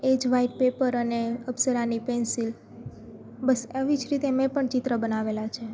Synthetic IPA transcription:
ed͡ʒʋaiʈ̚pepəɾəneəbsəɾanipensil | bəseʋid͡ʒɾit̪emepəɳt͡ʃɪt̪ɾəbənaʋelat͡ʃʰe

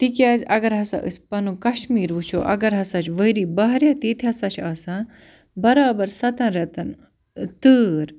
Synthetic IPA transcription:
t̪ikʲjaːzʲɐɡɐɾɦɐsa̰ʔɨ̰sʲpɐnukɐʃmiːɾʋut͡ʃʰo̰ʔɐ̰ɡɐɾɦɐsat͡ʃʋəjɾiːbɐɦɾjat̪iːt̪ʰiɦɐsat͡ʃʰaːsa | bɐɾaːbɐɾsɐt̪ɐ̃nɾɐt̪ɐn | t̪ɨːɾ

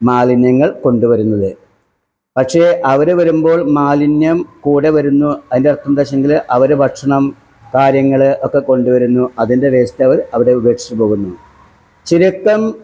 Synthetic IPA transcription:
maːlinjɐŋːɐɭko̞ɳɖuʋɐɾunːɐðɨ | pɐkʂe̞ʔɐʋɐɾɨʋɐɾumbo̞ːɭmaːlinjɐmkuːɽeʋɐɾunːuɐðinderɐt̪ːund̪ɐɕeŋɡilʔɐʋɐɾɨbʱɐʈʂɐɳɐm | kaːɾjɐŋːɐɭɨʔokːe̞ko̞ɳɖuʋɐɾunːuɐðinde̞ʋeːst̪ːeʋɐɾɐʋɐɾeubeːʂi̥t͡ɕːɨpo̞ːɣunːu | t͡ɕiɾikːɐm

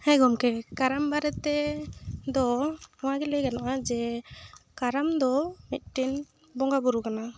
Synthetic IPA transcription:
hɛɡɔmkɛkaɾambaɾɛt̪ɛ | d̪ɔɔwaɡɛlɛɡanaʔad͡ʒɛ | kaɾamd̪ɔmit̪̚ˀʈin | bɔŋɡabɔɾukana

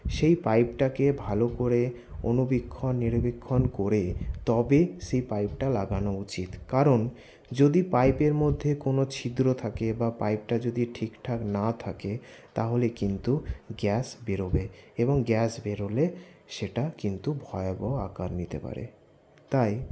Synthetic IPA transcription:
ʃejpajpʈakebʱalokoɾe | onubikʰːonːiɾbekʰːonkoɾet̪ɔbeʃejpajp̚ʈalaɡanout͡ɕit̪kaɾon | d͡ʑod̪ipajpeɾmod̪ʱːekonot͡ɕʰid̪ɾot̪ʰakebapajp̚ʈad͡ʑod̪iʈʰikʈʰaknat̪ʰaket̪aɦolekint̪uɡɛsbeɾobeeboŋɡɛsbeɾoleʃeʈakint̪ubʱɔeabɔa̰kaɾnit̪ḛpa̰ɾḛ | t̪aj

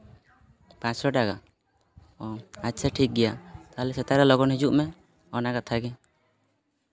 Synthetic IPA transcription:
pãt͡ʃɾɔʈaɡa | ɔatːsʰaʈʰik̚ɡɛjat̪aɦlɛsɛt̪aɾɛlɔɡɔnɦid͡ʒuʔmɛ | ɔnaɡat̪ʰaɡɛ

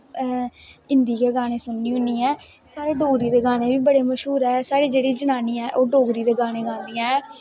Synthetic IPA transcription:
ɪnd̪iːkeːɡaːñeːsʊnːiːɦʊniːɛːsaːɾeːɖoːɡɾiːd̪eːɡaːneːʋiːbəɽeːməʃɦuːɾɛːsaːɽeːd͡ʒeːɽiːd͡ʒənaːniːɛːʔoːɖoːɡɾiːd̪eːɡaːneːɡãːnd̪iːɛ̃ː

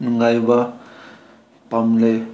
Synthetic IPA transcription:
nuŋɡajba | pamlaj

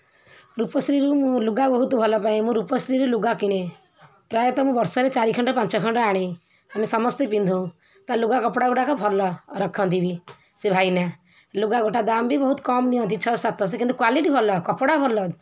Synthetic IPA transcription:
ɾupɔsɾiɾumũluɡabɔɦut̪bʱɔlɔpaĩmũɾupɔsɾiɾuluɡakiɽ̃e | pɾajɔt̪ɔmũbɔɾsɔɾet͡ʃaɾikʰɔɳɖɔpãnt͡ʃɔkʰɔɳʈɔaɽ̃e | amisɔmɔst̪epind̪ʱuũ | t̪aluɡakɔpɽaɡoʈakɔbʱɔɾlɔɾɔkʰɔ̃nt̪ʰibi | sebʱajna | luɡaɡoʈad̪ambʱibɔɦut̪ɔ̥kɔmniɔ̃nt̪it͡ʃʰɔsat̪ɔs̬ekint̪ukwaliʈibʱɔɾlɔkɔpɽabʱɔɾlɔ

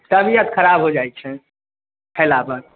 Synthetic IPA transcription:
t̪əbʱijət̪kʰəɾabɦod͡ʒajt͡ʃʰɛ | hʰɛlabən

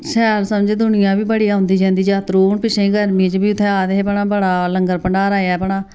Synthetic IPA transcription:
sɛːɾsəmd͡ʒeːd̪ʊnɪjãːbiːbəɽiːaːɦʊ̃nd̪iːd͡ʒãːnd̪iːd͡ʒaːt̪ɾuːɳpɪʃẽːɡəɾmĩːt͡ʃbiːʊt̪ʰːẽːaːd̪eːpəɳaːbəɽaːləŋɡəɾpəɳɖaːɾaːjaːpəɳaː

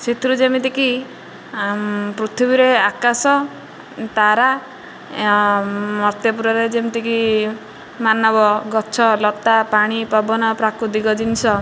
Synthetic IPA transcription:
sit̪ɾud͡ʒemit̪̬iki | pɾut̪ʰibiɾeakasɔ | t̪aɾa | mɔɾt̪jɔp̬uɾɔɾed͡ʒemit̪iki | manɔbɔɡɔt͡ʃʰɔlɔt̪apaɽ̃ipɔbɔnɔpɾakɾud̪ikɔd͡ʒinsʰɔ

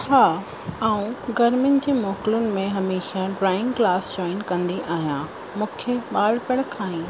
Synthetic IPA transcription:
haː | aːũɡɐɾmɪjʊnɪ̆d͡ʑeːmɔːkɪlʊnɪ̆mẽɦɐmeːʃaɖɾaːɪ̃ŋɡklaːsd͡ʑɔːɪnkɐ̃nd̪iʔaːɦijã | mũːkʰeɓaːlpəɽ̃kʰãːĩː

